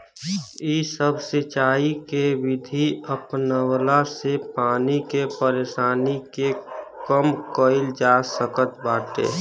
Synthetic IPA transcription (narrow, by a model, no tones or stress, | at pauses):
isəbʱsɪt͡ʃaːikeʋɪd̪ʱiəpnəwlasepaːnikepəɾeːʃaːnikekəmkəɪld͡ʒasəkət̪baːʈḛː